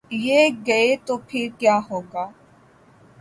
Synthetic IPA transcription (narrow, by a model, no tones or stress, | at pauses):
jeːɡɐet̪opʰɪɾkjaːɦoːɡaː